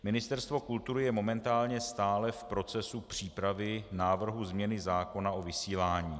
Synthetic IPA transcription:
mɪnɪst̪ɛɾst̪vo̞kult̪uɾɪjɛmo̞mɛnt̪aːlɲɛst̪aːlɛfpɾo̞t͡sɛsupr̝̥iːpɾavɪnaːvr̩ɦuzmɲɛnɪzaːko̞nao̞vɪsiːlaːɲiː

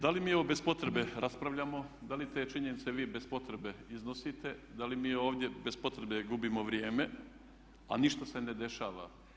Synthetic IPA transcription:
d̪alimiːoʋobe̞spo̞t̪ɾebe̞ɾaspɾaʋʎamo̞d̪alit̪e̞ːt͡ʃiɲenit̪seʋiːbe̞spo̞t̪ɾebe̞iznosit̪e̞d̪alimiːo̞ːʋd̪je̞bespo̞t̪ɾebe̞ɡubimo̞ʋɾjeːme̞ | a̰niʃt̪ase̞ne̞d̪e̞ʃaːʋa̰

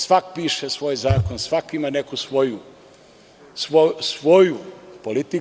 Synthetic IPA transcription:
sʋakpiːʃesʋo̞ːjzaːkonsʋakimanekusʋoju | sosʋo̞jupolit̪i

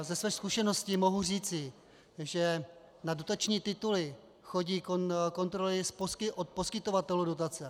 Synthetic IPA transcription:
zɛsvɛːskuʃɛno̞scimo̞ɦur̝iːt͡sɪ | ʒɛ | nadot̪at͡ʃɲiːt̪ɪt̪ulɪ | xo̞ɟiːkoko̞nt̪ɾolɪsposkɪʔot̪̚po̞skɪt̪o̞vat̪ɛludo̞t̪at͡sɛ

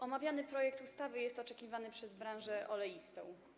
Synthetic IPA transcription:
ʔɔmavʲjanɘpɾɔjɛkt̪ust̪avɘjɛst̪ɔt͡ʂɛkʲivanɘpʂɛzbɾãnʐɛʔɔlɛjist̪ɔ̰̃w̃

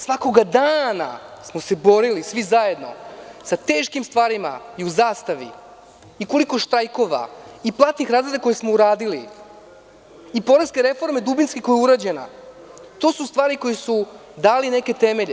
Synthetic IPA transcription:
sʋako̞ɡad̪aːna̰smo̞se̞bo̞ɾilisʋizaje̞d̪no̞̰sat̪e̞ːʃkimst̪ʋaːɾima̰iuzaːst̪aʋḭ | iko̞liko̞ʃt̪ɾajko̞ʋa̰iplˠat̪nixɾaːzlɾed̪ako̞jesmo̞uɾaːd̪ili | ipo̞ɾeskeɾe̞fo̞ɾme̞d̪ubinskeko̞jɛuɾad͡ʑena̰ | t̪o̞ːsust̪ʋaːɾiko̞jisud̪aːline̞ke̞t̪e̞me̞ʎ

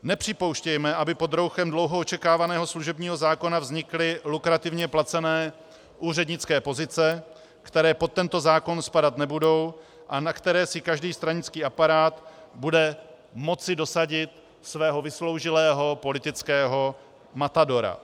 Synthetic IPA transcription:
nɛpr̝̥ɪpo̞wʃcɛjmɛʔabɪpo̞d̪ɾo̞wxɛmdlo̞wɦoot͡ʃɛkaːvanɛːɦo̞sluʒɛbɲiːɦo̞zaːko̞navzɲɪklɪlukɾat̪ɪvɲɛplat͡sɛnɛː | ʔuːr̝ɛdɲɪt͡skɛːpo̞zɪt͡sɛ | kt̪ɛɾɛːpo̞t̪ːɛnt̪o̞zaːko̞nspadat̪nɛbudo̞w | ʔanakt̪ɛɾɛːsɪkaʒdiːst̪ɾaɲɪt͡skiːapaɾaːt̪budɛ | mo̞t͡sɪdo̞saɟɪt̪ | svɛːɦo̞vɪslo̞wʒɪlɛːɦo̞po̞lɪt̪ɪt͡skɛːɦo̞ | mat̪ado̞ɾa̰

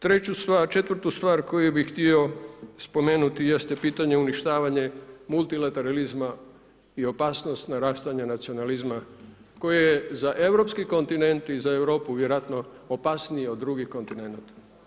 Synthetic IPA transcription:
t̪ɾe̞t͡ɕust̪ʋaːɾt͡ʃe̞t̪ʋr̩t̪ust̪ʋaːɾko̞jubixt̪io̞spo̞me̞ːnut̪ijest̪epiːt̪aɲeuniʃt̪aːʋaɲe̞mulˠt̪ilat̪e̞ɾalizma | io̞paːsno̞st̪naɾaːst̪aɲanat̪sio̞nalizma | ko̞jijezaʔe̞ʋɾo̞pskiko̞nt̪ine̞nt̪izaeʋɾo̞ːpuʋjeɾoat̪no̞ːpasnijeo̞d̪ːɾuɡixko̞nt̪ine̞nat̪ḁ

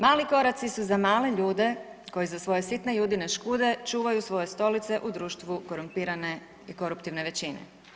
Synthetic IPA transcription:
maːliko̞ɾat̪sisuzamaːle̞ʎuːd̪e̞ko̞jizasʋo̞je̞sit̪ne̞juːd̪ine̞ʃkuːd̪e̞t͡ʃuːʋajusʋo̞je̞st̪o̞lit̪se̞ʔud̪ɾuːʃt̪ʋuko̞ɾumpiːɾane̞ | iko̞ɾupt̪iʋneʋe̞t͡ɕinḛ

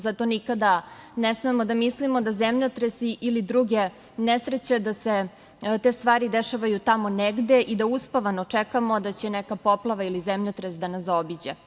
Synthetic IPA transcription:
zat̪o̞nikad̪anesmemod̪amislimod̪azemʎot̪ɾesiʔilid̪ɾuɡe̞ | nesɾet͡ɕed̪ase | t̪e̞st̪ʋaːɾid̪eʃaʋajut̪amoneɡd̪e̞ʔid̪auspaʋanot͡ʂɛkamo̞d̪at͡ɕenekapo̞plˠaʋailizemʎot̪ɾesd̪anasobid͡ʑa

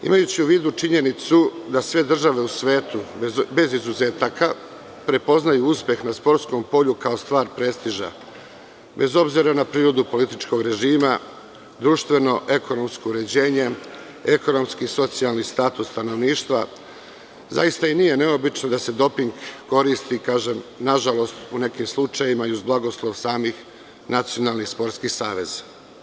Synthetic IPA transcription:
ḭmajut͡ɕiuʋiːd̪ut͡ʂiɲe̞nit̪sud̪asʋe̞d̪r̩ʒaʋe̞usʋe̞ːt̪ube̞zizuze̞ːt̪aka | pɾe̞po̞znajuuspje̞xnaspo̞ɾt̪sko̞mpo̞ʎukaost̪ʋaːɾpɾe̞st̪iʒa̰ | be̞zo̞bziɾanapɾiːɾo̞d̪upo̞lit̪it͡ʃko̞ɡɾe̞ʒiːma | d̪ɾuːʃt̪ʋe̞no̞ʔe̞ko̞no̞msko̞uɾe̞d͡ʑe̞ːɲe̞ | eko̞no̞mskiso̞t̪sialnist̪aːt̪usːt̪ano̞ʋniːʃt̪ʋa | za̰ist̪ainije̞ne̞o̞bit͡ʃnod̪ase̞d̪o̞piŋɡːo̞ɾist̪ikaːʒe̞mnaʒalo̞st̪une̞kimslˠut͡ʃajimaiuzblˠaɡo̞slˠo̞ʋsaːmix | nat̪sijo̞nalˠnixspo̞ɾt̪skixsaːʋe̞zḁ

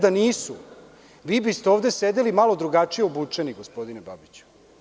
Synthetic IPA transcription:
d̪aniːsu | ʋiːbist̪eovd̪esed̪elimalo̞d̪ɾuɡat͡ʂijeubut͡ʂeniɡospo̞d̪inebabit͡ɕu̥

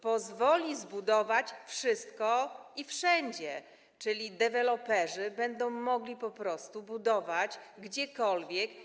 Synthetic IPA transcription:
pɔzvɔlʲizbud̪ɔvat͡ɕfʂɘst̪kɔifʂɛɲd͡ʑɛ | t͡ʂɘlʲid̪ɛvɛlɔpɛʐɘbɛnd̪ɔ̃w̃mɔɡlʲipɔpɾɔst̪ubud̪ɔvat͡ɕɡd͡ʑɛkɔlvʲjɛk

